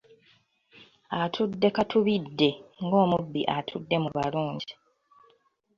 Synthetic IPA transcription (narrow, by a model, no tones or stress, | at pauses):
atʰudːe̞katʰuβidːe̞ŋɡo̞ːmubːḭʔatʰudːe̞muβaluːɲɟi